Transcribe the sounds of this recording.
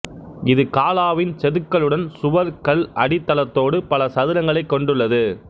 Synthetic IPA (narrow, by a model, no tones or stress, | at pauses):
ɪðɯkaːlaːʋɪnt͡ʃɛðɯkːɐɭɯɽɐnsʊʋɐɾkɐlɐɽɪt̪ːɐlɐt̪ːoːɽɯpɐlɐsɐðɪɾɐŋɡɐɭɐɪkːɔɳɖɯɭːɐðɯ